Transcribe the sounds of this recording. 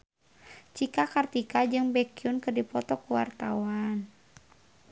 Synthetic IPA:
t͡ʃikakart̪ikad͡ʒɨŋbɛkiunkərdipɔt̪ɔkuwa̰rt̪awan

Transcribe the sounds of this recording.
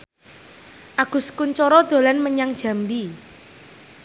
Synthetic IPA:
ʔaɡ̥ʊ̤skuɲt͡ʃɔɾɔd̪̥o̤lanməɲaŋd̥ʒ̥a̤mbi

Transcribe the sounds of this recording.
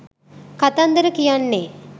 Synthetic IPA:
kat̪and̪əɾəkijanːe

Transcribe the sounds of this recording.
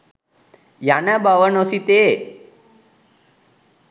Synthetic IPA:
janabaʋənosit̪e

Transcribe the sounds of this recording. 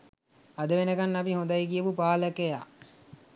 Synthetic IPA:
ad̪əʋenəɡanːapiɦõnd̪ajkijəpupaːləkeja̰

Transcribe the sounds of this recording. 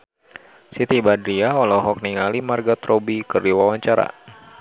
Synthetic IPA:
sit̪ibadɾiaɔlɔɦɔk̚niŋalimarɡat̪ɾobikərdiwawaɲt͡ʃaɾa̰

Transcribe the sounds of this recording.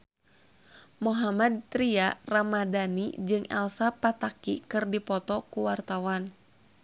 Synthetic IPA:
moɦamad̪̚t̪ɾiaramadanḭd͡ʒɨŋʔɛ̰lsapat̪akikɨrdipɔt̪ɔkuwart̪awan

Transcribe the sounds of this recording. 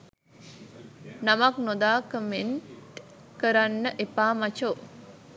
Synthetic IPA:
namaknod̪aːkəmen | kəɾanːəʔepaːmat͡ʃo

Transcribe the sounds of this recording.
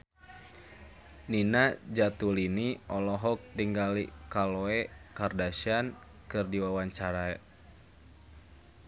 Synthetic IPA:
ninad͡ʒat̪uliniɔlɔɦɔk̚diŋɡalikalɔɛkardasian | kɨrdiwawaɲt͡ʃaɾaɛ

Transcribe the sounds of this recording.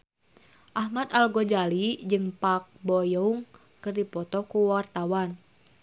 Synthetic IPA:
ʔahmat̪alɡɔd͡ʒalid͡ʒɨŋpak̚bɔjɔuŋ | kɨrdipɔt̪ɔkuwart̪awan

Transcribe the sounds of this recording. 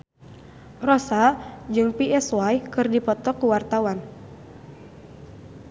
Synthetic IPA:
rɔsad͡ʒɨŋpiʔɛswajkɨrdipɔt̪ɔkuwart̪awan

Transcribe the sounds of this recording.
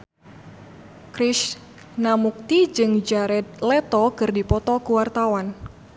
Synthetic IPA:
kɾiʃ | namuk̚t̪id͡ʒɨŋd͡ʒaɾɛt̪̚lɛt̪ɔkɨrdipɔt̪ɔkuwart̪awan

